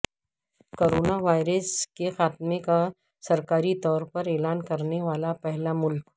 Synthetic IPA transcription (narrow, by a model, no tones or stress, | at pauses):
koːɾoːnaʋaːɪɾəskexaːt̪̚meka | sɐɾkaːɾit̪ɔːɾpɐɾeːlaːnkɐɾneʋaːlapɛɦlamʊlk